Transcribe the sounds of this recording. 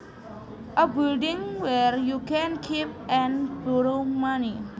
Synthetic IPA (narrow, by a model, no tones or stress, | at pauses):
ʔəbildĩŋwɛɹjukɛ̃nkʰipɛ̃nbɔɹomani